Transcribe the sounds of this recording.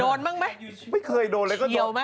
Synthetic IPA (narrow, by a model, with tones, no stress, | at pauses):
o˨˩n̚ma˧ŋma˨˦jməː˨˦jkʰɨ˨˩əjɗo˨˩nlaː˨˩kɔ˧˦ɗi˨˩ə˨˩wma˧˦